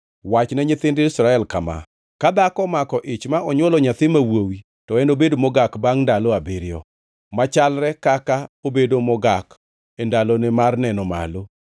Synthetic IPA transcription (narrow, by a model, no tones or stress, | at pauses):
wat͡ʃnɛɲɪt̪ɪndɪɪsɾaɛlkama̰ | kad̪akɔmakɔʔɪt͡ʃmaʔɔɲwɔlɔɲat̪ɪmawowi | tɔɛnobedomɔɡakbaŋndalɔabɪɾjɔ | mat͡ʃalɾɛkakaobedomɔɡak | endalonɪmarnɛnɔma̰lo